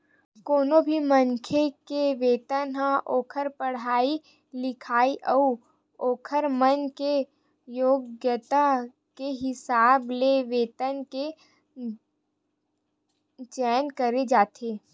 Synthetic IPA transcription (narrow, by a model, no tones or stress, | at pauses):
koːnobʱiməŋkʰekeʋeːt̪ənɦãʔoːkʰəɾpəɽ̤aːi | lɪkʰaːiʔɔu | oːkʰəɾmənke | joːɡjət̪a | keɦɪsaːbleʋeːt̪ənke | t͡ʃɛːnkəɾed͡ʒaːt̪ʰeː